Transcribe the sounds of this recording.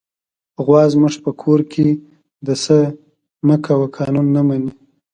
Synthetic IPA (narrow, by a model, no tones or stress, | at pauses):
ɣwɑzmʊʐpəkʰoɾkʰe | d̪əsə | məkʰawakʰɑnunːamani